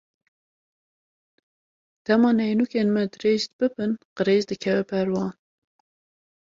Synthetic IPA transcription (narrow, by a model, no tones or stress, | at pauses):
d̪̥ɛmɑːnɛjnukeːnmɛd̪ɨɾeːzt̪̚b̥ɨbɨnqɨɾeːzd̪ɨkʰɛvɛpʰɛɾwɑːn